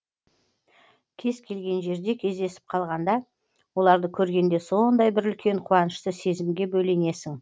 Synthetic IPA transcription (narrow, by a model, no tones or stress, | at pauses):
kʲʰe̞zkʲʰe̞lɡʲe̞nʒe̞ɾd̪e̞kʲʰe̞zd̪e̞sɪ̥p̚qʰɑlˠʁɑnd̪ɑ | wo̞lˠɑɾd̪əkʲʰɵɾɡʲe̞nd̪e̞so̞nd̪ɑjbɪɾʏlkʲʰe̞ɴqʰuɑnəʃt̪əse̞zɪmɡʲe̞bɵjle̞ne̞sɪŋ